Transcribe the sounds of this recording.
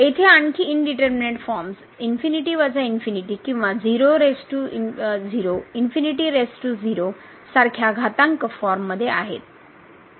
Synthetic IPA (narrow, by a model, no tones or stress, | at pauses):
et̪ʰeaɳkʰiːnɖiʈəɾmineʈfɔɾms | infiniʈiʋat͡sainfiniʈikĩw̃ʋad͡ziɾoɾesʈuid͡ziɾoinfiniʈiːɾesʈud͡ziɾo | saɾkʰjaɡʱat̪aŋkəfɔɾmːəd̪ʱːjea̰ɦḛt̪̚